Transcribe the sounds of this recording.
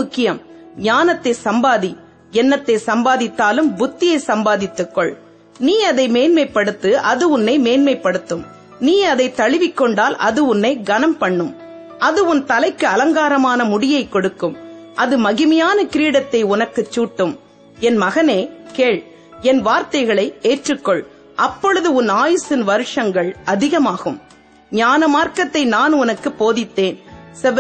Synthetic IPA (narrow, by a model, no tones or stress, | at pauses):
ʊkːɪjɐmɲaːnɐt̪ːɐɪsɐmbaːði | ɛnːɐt̪ːesɐmbaːðɪt̪ːaːlɯmbʊt̪ːɪjɐɪsɐmbaːðɪt̪ːɯkːɔɭ | niːɐðɐɪmeːnmɐɪpːɐɽɯt̪ːɯʔɐðɯʊnːɐɪmeːnmɐɪpːɐɽɯt̪ːɯm | niːɐðɐɪt̪ːɐɭɪʋɪkːɔɳɖaːlʔɐðɯʊnːɐɪɡɐnɐmpɐɳːɯm | ɐðɯʊnt̪ɐlɐɪkːɯɐlɐŋɡaːɾɐmaːnɐmʊɽɪjɐɪkːɔɽɯkːɯmʔɐðɯmɐɣɪmɐjaːnɐkɪɾiːɽɐt̪ːɐɪʊnɐkːɯt͡ʃːuːʈːɯm | ɛnmɐɣɐneːkeːɭ | ɛnʋaːɾt̪ɐɪɣɐɭɐɪeːʈrɯkːɔɭ | ʔɐpːɔɻɯðɯʊnaːjɯsɪnʋɐɾɯʂɐŋɡɐɭɐðɪɣɐmaːɣɯm | ɲaːnɐmaːɾkɐt̪ːɐɪnaːnʊnɐkːɯpːoːðɪt̪ːeːnsɛ